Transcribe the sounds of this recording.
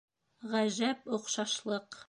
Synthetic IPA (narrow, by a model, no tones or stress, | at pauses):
ʁæʒæpŏqʃɑʃlˠɤq